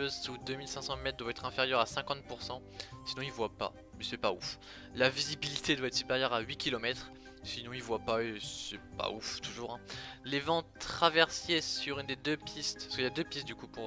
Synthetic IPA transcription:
øzsud̪ømilsɛ̃sɑ̃mɛt̪̚d̪waɛt̪χɛ̃feʁjœʁasɛ̃kɑ̃t̪̚puʁsɑ̃ | sinɔ̃ilvwapa̰ | mɛsɛpaṵf | lavizibilit̪ed̪waɛt̪sypeʁjœʁaɥikʲilɔmɛt̪χ | sinɔ̃ilvwapaesɛpa̰uft̪uʒuːʁɛ̃levɑ̃t̪χavɛʁsesyʁynd̪ed̪øpʰist̪pskəljad̪øpist̪̚d̪ykupuʁ

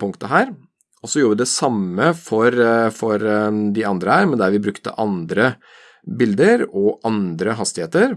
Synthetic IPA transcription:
pʰʊŋkt̪əɦæːɾ | ɔsɔjuːɾʋɪd̪ɛsɑmːəfɔɾfɔɾd̪ɪɑnd̪ɾəhæːɾmɛnd̪æɾʋɪbɾʉkt̪ə̰ʔɑnd̪ɾə | bɪld̪əɾɔʔɑnd̪ɾəɦɑst̪ɪheːt̪əɾ

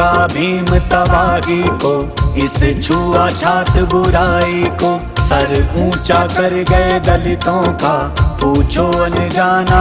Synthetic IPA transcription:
abʱiːmt̪ɐbʱaːɡiko | ɪst͡ʃʰuːaːt͡ʃʰaːt̪bʊɾaːikoː | sɐɾũːt͡ʃakɐɾɡɐeɡ̪ɐlɪt̪õːkapuːt͡ʃʰoɐnʊd͡ʒaːna

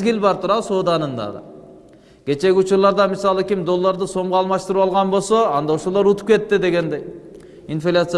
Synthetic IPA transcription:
ɡʲilbɑɾt̪ʰuɾɑso̞ːd̪ɑnɯnd̪ɑ̰ʁɯ̰ | kʲe̞t͡ʃe̞ɡʲɪut͡ʃuɾlˠɑɾd̪ɑmisɑlˠɯkʲimd̪o̞lˠːaɾd̪ɯso̞ɴʁuɑlˠmɑʃt̪ɯɾɯpɑlˠʁɑnbo̞lˠso̞ɑnd̪ɑoʃolˠoɾut̪u̥p̚ke̞t̪ːid̪e̞ɡe̞nd̪ej | infʲelʲat̪s

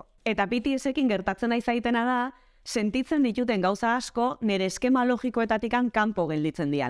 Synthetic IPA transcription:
e̞t̪aβit̪iese̞kiŋɡe̞ɾt̪at͡se̞najsait̪e̞nað̞a | se̞nt̪it͡se̞nd̪it̪ut̪̬e̞ŋɡawsaːsko̞ne̞ɾe̞ːske̞malo̞ɣiko̞e̞t̪at̪ikaŋkampo̞ɣ̞eld̪it͡se̞nd̪ia̰

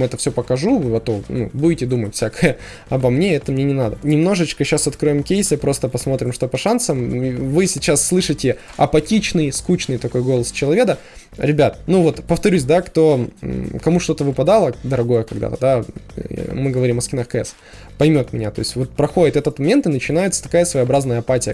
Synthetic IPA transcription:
ɛt̪əfsʲopəkɐʐuvɐt̪onṵbuɪtʲɪd̪umətʲfʲsʲakəjə | ɐbɐmnʲe̞ɛt̪əmnʲenʲɪnad̪ənʲɪmno̞ʐɨt͡ɕkəɕːasɐt̪̚kɾo̞jɪmkʲejsʲəpɾo̞st̪əpɐsmo̞t̪ɾʲɪmʂt̪o̞pɐʂansəmivɨsʲɪt͡ɕasːlˠɨʂɨtʲɪ | ɐpɐtʲit͡ɕnɨjskut͡ɕnɨjt̪ɐko̞jɡo̞lˠəst͡ɕɪlˠɐvʲe̞d̪ə | ɾʲɪbʲat̪nuvo̞t̪pəft̪ɐɾʲusʲd̪akt̪o̞kɐmuʂt̪o̞t̪əvɨpɐd̪alˠəd̪əɾɐɡo̞jəkɐɡd̪a̰t̪əd̪a | mɨɡəvɐɾʲimɐskʲɪnaxkɛ̰s | pɐjmʲo̞t̪mʲɪnʲat̪o̞jɪsʲvo̞t̪̚pɾɐxo̞dʲɪt̪ɛt̪ət̪mɐmʲe̞nt̪ɨnət͡ɕɪn̪ajɪt̪sə̥t̪ɐ̥kajəsvəjɐbɾaznəjəɐpatʲɪjə

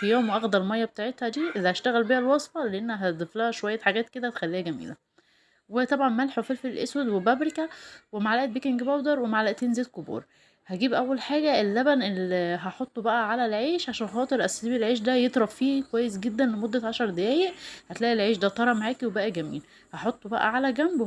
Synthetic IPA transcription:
fijoːmwʔɑɣd̪ælmɑjːɑbet̪aʕet̪hæd̪iːʔlːhæʃt̪æɣælbihælwɑsfɑleʔenːæɦæt̪d̪ˤeflæhæʃowæjːæħaɡæːt̪̚ked̪æt̪e̥xælːiːhæɡæmḭːlæ | wet̪ˤɑbʕɑnmælħefelfilʔeswæd̪webæbɾekæwemaʕlæʔæt̪bikenɡebæwd̪ɑɾˤwemaʕlæʔt̪eːnzeːt̪̚kobṵːɾˤ | hæɡiːbʔæwːælħaːɡæelːæbænʔelːiɦæħot̪ˤːbæʔæʕalælʕeːʃʕaʃæːnxɑːt̪ˤeɾˤʔæsiːbilʕeːʃ̬d̪æjet̪ˤɾˤɑffiːkowæjːes̬ɡed̪ːænlemod̪ːæʕɑʃɑɾˤd̪ejæːjeʔhæt̪læːʔilʕeːʃd̪æt̪ˤɑɾˤɑmaʕaːkiwebæʔæɡæmḭːl | hɑħot̪ˤːbæʔæ̰ʕalæɡæmb

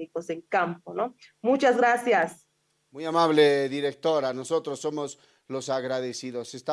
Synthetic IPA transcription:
ikoseŋkampono | mut͡ʃazɡɣɾasjas | mujamaβleðiɾek̚t̪oɾanoso̞t̪ɾosːomos | lo̞saɣɾaðesiðosest̪a

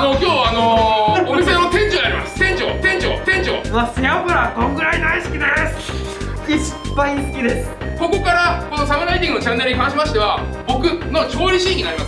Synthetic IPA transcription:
no̞kʲo̞ːano̞omisenot̪ẽ̞ɲ̟d͡ʑoːaɾʲimasɨ̥t̪ẽ̞ɲt͡ɕo̰ːt̪ẽ̞ɲ̟t͡ɕo̰ːt̪ẽ̞ɲ̟d͡ʑo̰ːmaseabɯ̟ɾak̪õŋɡɯ̟ɾaid̪aisɨ̥kʲid̪esɨ̥ | kiɕi̥pːaisɨ̥kʲid̪e̞sɨ̥ | ko̞ko̞kaɾako̞no̞sabɯ̟nait̪ĩŋɡɯnot͡ɕãnːe̞ɾɯ̟ihɦãɰ̃ɕ̬imaɕi̥t̪e̞βabo̞kɯ̟not͡ɕoːɾʲiɕikʲinːaɾimas

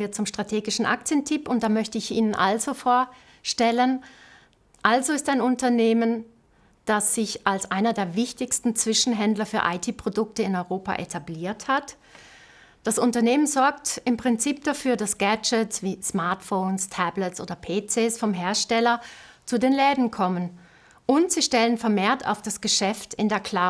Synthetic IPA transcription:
iːɐt͡sʊmʃtʁ̥atʰeːɡɪʃn̩ʔa̰k̚t͡sjəntʰɪpʊnt̚d̥aːmœçtəɪçʔḭːnənʔa̰lzofoːɐ | ʃtɛlən | ʔalzoɪstaɪnʊntɐneːmən | d̥asz̥ɪçʔalsʔaɪnɐdeːɐvɪçtɪçstn̩t͡sv̥ɪʃn̩ɦɛndlɐfyːɐʔa̰ɪtʰiːpʁ̥odʊk̚təɪnɔʏʁoːpa̰ʔetʰabliːɐthat | d̥asʊntɐneːmənzɔɐktɪmpʁ̥ɪnt͡siːp̚d̥afyːɐdasɡ̥ɛt͡ʃətsv̥iːsmaɐtfoːnstʰɛbləsʔo̰ːdɐpʰeːt͡sɛːsfɔmɦeːɐʃtɛlɐt͡sudeːnlɛːdn̩kʰɔmən | ʔʊntz̥iːʃtɛlənfɛɐmeːɐtʰa̰ʊfd̥asɡ̥əʃɛftɪndeːɐkʰl̥a

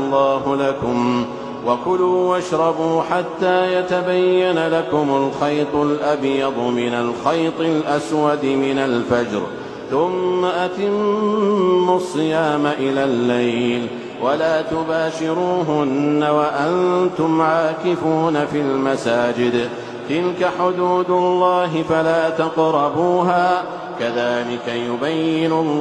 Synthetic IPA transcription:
lˤːɑːɦʊlakʊm | wakʊluːwaʃɾˤɑbuːħat̪ːaːjat̪abajːanalakʊmʊlxɑjt̪ˤʊlʔabjɑd̪ˤmɪnalxɑjt̪ˤɪlʔaswad̪mɪnalfad͡ʒɾ | θʊmːaʔat̪ɪmː | ʊsˤːɨjaːmaʔɪlaːlːajl | walaːt̪ʊbaːʃɪɾuːɦʊnːawaʔannt̪ʊmʕaːkɪfuːnafilmasaːd͡ʒɪd̪ | t̪ɪlkaħʊd̪uːd̪ʊlːɑːɦɪfalaːt̪ɑqɾˤɑbuːɦaː | kaðaːlɪkajʊbajːɪnʊl

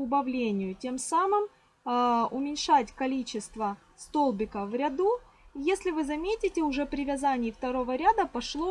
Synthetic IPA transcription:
ʊbɐvlʲenʲɪjʊtʲe̞msamɨm | ʊmʲɪnʲʂatʲkɐlʲit͡ɕɪst̪və | st̪o̞lˠbʲɪkəvɾʲɐd̪u | jesʲlʲɪvɨzɐmʲetʲɪtʲɪʊʐɛpɾʲɪvʲɐzanʲɪjɪft̪ɐɾo̞vəɾʲad̪əpɐʂlˠo

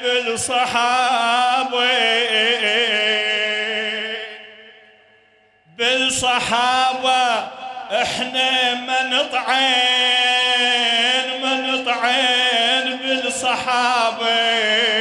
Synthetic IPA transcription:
bɪlsˤɑħɑ | bi | bɪlsˤɑħɑːbaʔɪħnamanɪt̪ˤʕe | nmanɨt̪ˤʕenbɪlsˤɑħɑːbi

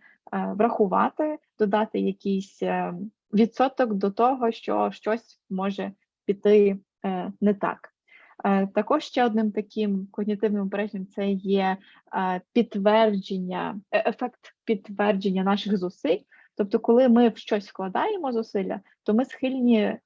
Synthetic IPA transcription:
ʋɾɐxʊʋɑ̰t̪ɪd̪̥ɔd̪ɑt̪ɪjɐkʲijsʲ | ʋʲid̪sɔt̪ɔkd̪ɔt̪ɔɦɔʃt͡ʃɔ̰ʃt͡ʃɔsʲ | mɔʒɛ | pʲit̪ɪ | nɛt̪ɑ̰k | t̪ɐkɔʃʃt͡ʃɛɔd̪nɪmt̪ɐkʲʰɪmkɔɦnʲit̪ɪwnɪmɔpɛɾɛʒʲjʲɛmt̪sɛjɛ | pʲit̪ːʋɛrd͡ʒenʲːɐ̰efɛkt̪pʲit̪ːʋɛrd͡ʒenʲːɐnɑʃɪxzʊsɪlʲ | t̪ɔp̚t̪ɔkɔlˠɪmɪwʃt͡ʃɔsʲsklˠɐd̪ɑjemɔzʊsɪlʲɐ̰ | t̪ɔmɪsxɪlʲnʲi

